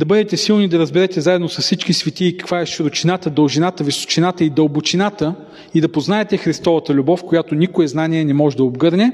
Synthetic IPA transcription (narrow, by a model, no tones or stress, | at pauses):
d̪ɐbɤd̪ɛt̪ɛsilˠnid̪ɐɾəzbɛɾɛt̪ɛzaɛd̪nosɐssit͡ʃkisvʲit̪iːkɐ̥kvaɛʃɾʊt͡ʃinat̪əd̪əlˠʒinat̪əviso̥t͡ʃinat̪əid̪ɐlˠbot͡ʃinat̪ə | id̪ɐpoznaɛt̪ɛxɾist̪ɔvɐt̪əlʲubɔfkojat̪onikoɛznaniɛnɛmɔʒɛd̪ɐobɡɤɾnʲɛ